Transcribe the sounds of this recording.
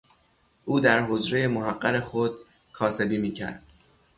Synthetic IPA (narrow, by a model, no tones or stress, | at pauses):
ʔuːd̪æɾɦo̞d͡ʒɾejemoɦæɢːæɾexod̪̥̚ | kʰɒːse̞biːmiːcʰæ̰ɾd̪̥